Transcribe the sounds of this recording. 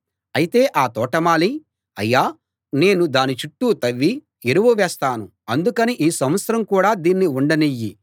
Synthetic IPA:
ɐjit̪e̞ːʔaːt̪ɔːʈɐmaːli | ɐjːaː | ne̞ːnud̪aːnit͡ʃuʈːuːt̪ɐʋːi | iɾuʋuʋɛːst̪aːnu | ɐnd̪ukɐniʔiːsɐmʋɐt̪sɐɾɐmkuːɽaːd̪iːnːiuɳɖɐnijːi

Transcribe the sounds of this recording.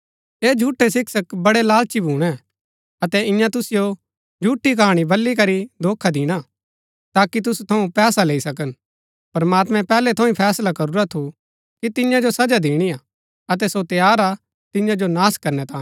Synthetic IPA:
eːd͡ʒʱuːʈːesɪksəkbɐɽelaːlt͡ʃibʱuːɽ̃ɛ̃ | ɐt̪ɛɪ̃jãt̪ʊsɪjo | d͡ʒʱuːʈːikaːɽ̃ibɐlːikɐɾid̪ʱoːkʰːad̪ɪːɽ̃a | t̪aːkit̪̬ʊsut̪ʰɐũpɛːsaleːisɐkən | pɐɾmaːt̪mɛ̃pɛːlɛt̪ʰɐ̃ĩpʰɛːslakɐɾuɾat̪ʰu | kit̪ɪjãd͡ʒosɐd͡ʒad̪iːɽ̃ia | ɐt̪̬ɛsot̪jaːɾa | t̪ɪjãd͡ʒonaːskɐɾnɛt̪ãː

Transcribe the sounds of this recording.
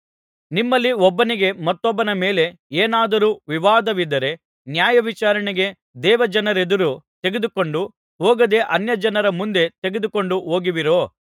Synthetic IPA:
nimːɐlːiɔbːɐniɡe̞mɐt̪ːɔbːɐnɐmeːle̞ | eːnaːd̪ɐɾuːʋiʋaːd̪ɐʋid̪ɐɾe̞ | njaːjɐʋit͡ʃaːɾɐɳiɡe̞ | d̪ɛːʋɐd͡ʒɐnɐɾed̪ɐɾut̪e̞ɡed̪uko̞ɳɖu | ɦoːɡɐd̪e̞ʔɐnjɐd͡ʒɐnɐɾɐmund̪e̞t̪eɡed̪uko̞ɳɖuɦoːɡiʋiɾoː

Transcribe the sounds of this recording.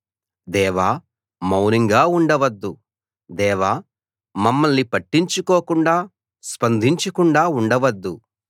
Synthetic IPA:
d̪ɛːʋaː | mɐwniŋɡaːuɳɖɐʋɐd̪ːu | d̪ɛːʋaː | mɐmːɐlnipɐʈːiɲt͡ʃukoːkuɳɖaː | spɐnd̪ʱiɲt͡ʃɐkuɳɖaːuɳɖɐʋɐd̪ːu

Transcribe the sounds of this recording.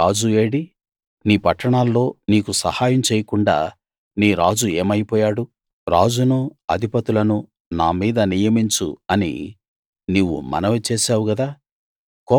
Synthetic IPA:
aːd͡ʒueːɽi | niːpɐʈːɐɳaːlːo̞ːniːkusɐhaːjɐmt͡ʃeːjɐkuɳɖa̰ː | niːɾaːd͡ʒue̞ːmɐjipɔːjaːɽu | ɾaːd͡ʒunuɐd̪ʱipɐt̪ulɐnu | naːmiːd̪ɐnijɐmiɲt͡ʃṵɐnḭ | niwːṵmɐ̰nɐʋet͡ʃeːsaːwuɡɐd̪aː | kɔː

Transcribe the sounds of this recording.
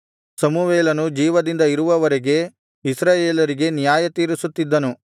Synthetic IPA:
sɐmuʋeːlɐnud͡ʒiːʋɐd̪ind̪ɐiɾuʋɐʋɐɾeɡe̞ | isɾaːjeːlɐɾiɡe̞nijaːjɐt̪iːɾisut̪ːid̪ːɐnu

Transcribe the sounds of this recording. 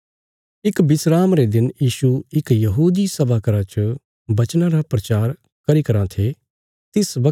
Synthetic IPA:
ɪkbɪsɾaːmɾed̪ɪnjiːʃuɪkjɐɦuːd̪isɐbaːkəɾãt͡ʃə | bɐt͡ʃnãɾapɾɐt͡ʃaːɾ | kɐɾikɐɾãt̪ʰe | t̪ɪsbɐ

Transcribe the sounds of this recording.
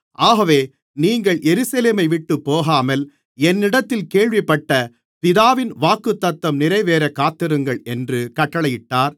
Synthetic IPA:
ʔaːɣɐʋeː | niːŋɡɐɭjɛɾɯsɐleːmɐɪʋɪʈːɯpːoːɣaːmɐl | ɛnːɪɽɐt̪ːɪlkeːɭʋɪpːɐʈːɐ | pɪðaːʋɪnʋaːkːɯt̪ːɐt̪ːɐmnɪɾɐɪʋeːɾɐkːaːt̪ːɪɾɯŋɡɐɭɛndrɯkɐʈːɐɭɐjɪʈːaːɾ

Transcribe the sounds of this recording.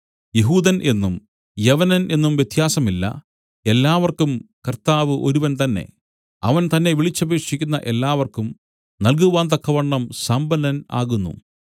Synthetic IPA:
jeɦuːðɐnʔe̞nːum | jɐʋɐnɐnʔe̞nːumʋjet̪ʰjaːsɐmilːɐ̰ | e̞lːaːʋɐrkumkɐrt̪aːʋɨʔo̞ɾuʋɐnt̪ɐnːe̞̰ | ɐ̰ʋɐnt̪ɐnːe̞ʋiɭit͡ɕːɐbiːkʂikʲːunːɐʔe̞lːaːʋɐrkum | nɐlk̬uʋaːnt̪ɐkːɐʋɐrɳɳːɐmsɐmbɐnɐna̰ːɣunːṵ

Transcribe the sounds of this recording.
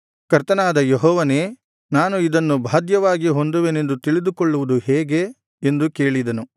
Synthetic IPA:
kɐɾt̪ɐnaːd̪ɐjeɦɔːʋɐneː | naːnuid̪ɐnːubʱaːd̪jɐʋaːɡiɦo̞nd̪uʋene̞nd̪ut̪iɭid̪ukoɭːuʋud̪uhɛːɡe̞ | end̪uke̞ːɭid̪ɐnu

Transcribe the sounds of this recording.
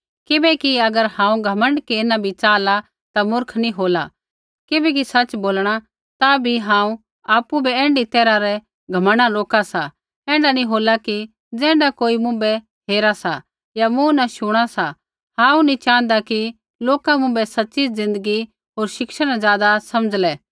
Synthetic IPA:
kɪbɛkiɐɡəɾhãːũɡʱɐmə̃ɳɖkeːnãbʱit͡ʃaːla | t̪amʊɾkʰnĩɦoːla̰ | kɪbɛːk̬isɐt͡ʃboːlɽ̃a | t̪abʱiɦãːũ | aːpubʱiɛ̃ːɳɖit̪ɛːɾaɾɛ | ɡʱɐməɽ̃aɾoːkasa | ɛ̃ːɳɖanĩɦoːlaki | d͡zɛ̃ːɳɖakoːimʊ̃bɛ | ɦeːɾasa | jamũnaʃʊɽ̃asa | hãːũnĩt͡ʃãːnd̪aki | loːkamʊ̃bɛsɐtːt͡ʃid͡zɪ̃nd̪əɡi | ɦoːɾʃɪkʃəɽ̃azjaːd̪asɐməd͡zlɛː

